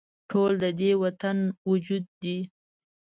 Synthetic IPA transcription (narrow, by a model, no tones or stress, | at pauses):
ʈʰold̪əd̪ewat̪anwud͡ʒud̪ːi